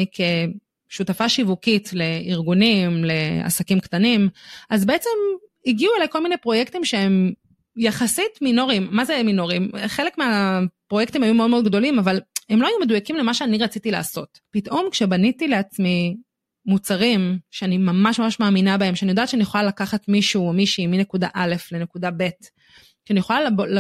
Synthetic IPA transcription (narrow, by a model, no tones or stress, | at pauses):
ikʰe | ʃutafaʃivukitle̞iʁɡunimle̞a̰sakimktanimazbeet͡se̞m | iɡiuelajko̞lminejpʁo̞jektimʃeem | jaχasitmino̞ʁimːazemino̞ʁimχelekmeapʁojektimhajumeodmeodɡd̪o̞limavale̞mloajumedujakimlemaʃeaniʁat͡sitila̰ːso̞t | pitʔo̞mkʃe̞banitileat͡smi | mut͡saʁimʃeanimamaʃmamaʃmaːminabae̞mʃeanijo̞dat̪ʃeanieχolalakaχatmiʃumiʃimine̞kudaʔale̞fle̞ne̞kudabe̞t | ʃeanijeχolalbol